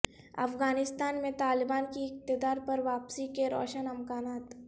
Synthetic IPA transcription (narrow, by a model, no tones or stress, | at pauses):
ɐ̰fɡaːnɪst̪aːnmẽt̪aːlɪbaːnkiɪq̚t̪ɪd̪aːɾpɐɾʋaːpsikeɾɔ̰ːʃənɐmkaːnaːt̪